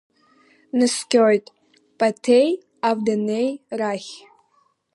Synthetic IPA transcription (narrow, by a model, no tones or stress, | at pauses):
nɨskʲʼojtʼ | pʼatʰej | avdanejraχʲ